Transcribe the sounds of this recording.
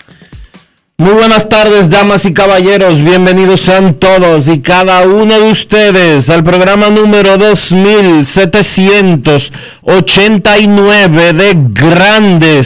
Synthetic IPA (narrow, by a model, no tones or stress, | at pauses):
mujβwenast̪aɾðe̞z̬d̪amasikaβaʝe̞ɾo̞zβje̞mbe̞niðosːeant̪oðos̬ikaðaunoðeust̪eðesalpɾoɣɾamanũme̞ɾo̞ðozmilset̪esjent̪os | ot͡ʃent̪ainwe̞βeðeɡɾand̪es